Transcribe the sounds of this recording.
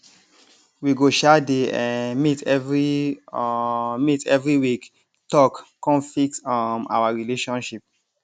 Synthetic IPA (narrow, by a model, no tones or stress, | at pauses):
wiɡoʃadeãmitɛvɹi | mitɛvɹiwik | tɔkkɔ̃flik̚tɔma̰waɹileʃɔ̃nʃip̚